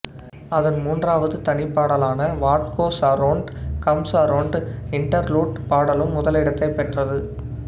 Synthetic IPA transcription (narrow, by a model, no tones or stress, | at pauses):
ɐðɐnmuːndraːʋɐðɯt̪ɐɳɪpːaːɽɐlaːnɐʋaːʈ̚koːsɐɾoːɳɖkɐmsaːɾoːɳɖɪɳʈɐɾluːʈpaːɽɐlɯmːʊðɐlɪɽɐt̪ːɐɪpːɛʈrɐðɯ